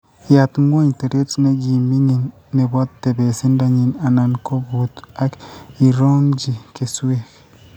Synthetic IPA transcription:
ja˨t̪ŋɡo˦ɲte˨ɾe˦tne˦ɡi˨mbi˦ŋi˨nː | e˨ba˦tːe˨be˨si˦nda˨ɲi˨na˨na˨nkʰo˦bu˨t̪a˦ki˨ɾo˦nd͡ʒi˨ke˨swe˦k

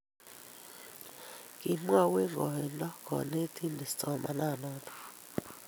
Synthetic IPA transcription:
kʼi˨m˦a˦˨wɛ˦ŋɡɔ˨ɛ˨ndɔ˦kʰɔ̰˨ne˦tʰi˦ndʱi˨st͡sʼɔ˨ma̰˨na˦˨nɔː˦tʰɔ̥˨

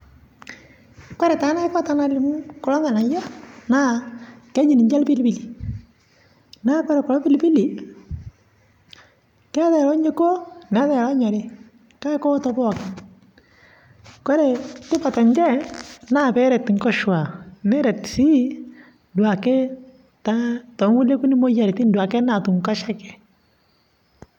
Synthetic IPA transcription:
kɔ˦ɾe˨ta˨˦na˦ɪ˦pa˦ta˨na˨lɪ˨m˦kɔ˨lɔ˦ŋa˨na˨ja˦na˦kɛ˦ɲɪ˨ni˨ɲd͡ʒɛ˦lpi˦lpi˦li˨ | na˦kɔ˦ɾɛ˨kɔ˨lɔ˦pɪ˦lpi˦li˨ | kɛ˦ðɛ˨ɾɔ˦ɲe˦ko˦nɛ˨˦ðɛ˨ɾa˦ɲɔ˨ɾɪ˦ | ka˦kɔ˦tɔ˦pɔ˦˨kɪ˨ | kɔ˦ɾe˨tɪ˦pa˨ta˨ɲd͡ʒɛ˦na˦pɛ˦ɾɛ˨tŋkɔ˦ʃwa˨nɛ˦ɾɛ˨tsi˦ | ndwa˨kɛ˦ | ta˦tɔ˨˦ŋwu˦le˦ku˦ni˦mo˦ja˨ɾti˦ndwa˨kɛ˦na˨tu˨ŋka˦ʃa˦kɛ̥˨

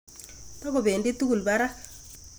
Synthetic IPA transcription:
pa˦ko˨be˨nde˦t̪u˦ɡu˨lba˦ɾa˦

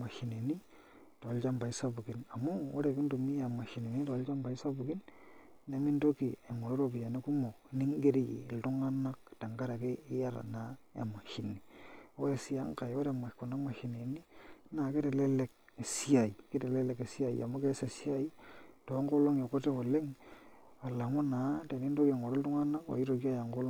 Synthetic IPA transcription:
ma˨ʃi˨ne˨ni˦ | to˨lt͡ʃa˦mba˨i˦sa˦bu˨ki˨na˨mu˦wo˦ɾe˨ki˦ndu˨mi˦a˨ma˨ʃi˨ne˨ni˦to˨lt͡ʃa˦mba˨i˦sa˦bu˨ki˦n | ne˨˦mi˦ndo˦ki˨e˨ŋo˨ɾo˦ɾo˨pi˨ja˨ne˦ku˦mo˨˦ni˦ŋɡe˦ɾi˦jḭ˨ltʊ˦ŋa˦na˦k̚ta˨ŋɡa˦ɾa˨ke˦ɪ˦ja˦ɾa̰˨na˦ḛ˨ma˨ʃi˨ni˨wo˦e˨si˦a˦ŋ˦ka˨jwo˦ɾe˨ma˨ko˨na˦ma˨hi˨ne˨ni˦na˨ke˦te˨le˦le˨˦k̚ | e˨si˦a˨i˨ke˦te˨le˦le˨ke˨si˦a˨ḭa̰˨mo˦ke˦se˨si˦a˦i˦to˨˦ŋɡo˦lo˦ŋe˨ko˦te˦wo˨le˦ŋ | a˨la˨ŋo˦na˨˦te˨ni˦ndo˦ki˨e˨ŋo˨ɾe˦ltʊ˦ŋa˦na˦kwa̰˨i˦ɾo˨ki˦a˦ja˨ŋɡo˦l

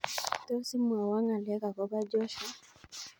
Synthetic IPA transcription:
tɔ˦si˦mwa˨wa˦ŋa˨lɛ˦ka˨kɔ˦ba˦d͡ʒɔ˦ʃa˦

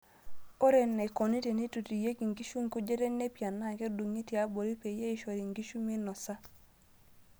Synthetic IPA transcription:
o˦ɾe˨nːe˨ko˨ni˦te˨ni˦tu˨ti˨je˦ki˨ŋɡi˦ʃu˦ŋ˨ku˦d͡ʒe˦te˦ɲne˦pja˨nːa˦˨ke˦du˨ŋi˦ti˨a˦bo˨ɾi˦pe˨je˦i˦ʃo˨ɾi˨ŋɡi˦ʃu˦mi˦nɔ˨sa˦

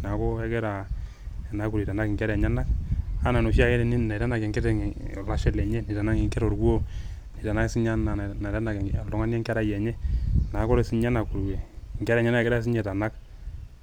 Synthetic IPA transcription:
na˨kɔ˦ɛ˦ɡɛ˦ɾa˨ | ɛ˨na˨kuɾi˨ta˨na˦kŋkɛ˦ɾɛ˨ɲa˦na˦k̚a˦na˨no˨ʃi˦a˦kɛ˦ɾn˦na˨ɾa˦na˨kɛ˨ŋkɛ˦tɛ˨ŋ˨la˦ʃɛ˦lɛ˨ɲɛ˦ni˨ta˨na˦ŋe˨ŋkɛ˦ɾɔ˨ɾɡwo˦ | ni˨ta˨na˦si˦ɲa˦na˨na˨ɾa˦na˨klɔ˦ŋa˦njɛ˦ŋkɛ˦ɾa˦jɛ˨ɲɛ˦na˨˦kɔ˦ɾe˨si˦ɲa˦na˨ku˨ɾɡɛ˨ŋkɛ˦ɾɛ˨ɲa˦na˦ɛ˨ɡɛ˦ɾa˦s̬i˦ɲɛ˨ta˨na˦k̚

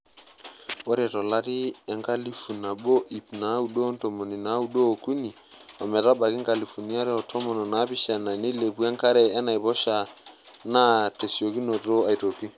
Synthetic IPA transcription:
wɔ˦ɾɛ˨tɔ˨la˦ɾi˦ɛ˨ŋka˦li˦fu˨na˨bo˦ʔi˨pna˨˦u˨ɗo˦nto˨mo˨ni˨na˨˦u˦ɗo˦o˨ku˦ni˨ | a˨mɛ˨ta˦ba˨ki˦ŋka˨li˨fu˨ni˦a˦ɾɛ˦ɔ˨tʰɔ˦mɔ˨nɔ˨na˨˦bi˦ʃa˨na˨ni˦le˨pu˦ɛ˦ŋka˦ɾɛː˨˦na˨jbɔ˦ʃa˨ | na˦te˨si˨o˨ki˦no˨to˦a˨i˨to˨ki˦

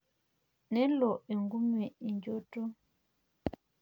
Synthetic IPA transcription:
nɛ˦lɔ˨ʔe˨ŋɡu˦mɛ˨i˨ɲd͡ʒo˦to˦

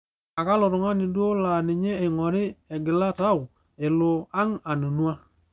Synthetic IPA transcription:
a˨ka˦lʊ˨ɾʊ˨ŋa˦nɪ˨do˦la˨nɪ˨ɲe˦e˨ŋɔ˨ɾɪ˦ɛ˨ɡɪ˨la˦ta˦˨ʊ˨ | e˨lo˨a˦ŋa˨no˨nwa˦

